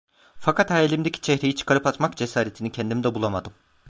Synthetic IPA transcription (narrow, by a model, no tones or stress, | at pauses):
fakʰat̪hajelʲimd̪ecʰʲi̥t͡ʃʰɛhɾejit͡ʃʰɯ̥kʰaɾɯpat̪makd͡ʒesaːɾet̪ʰinicʰɛnd̪imd̪ɛbulˠamad̪ɯm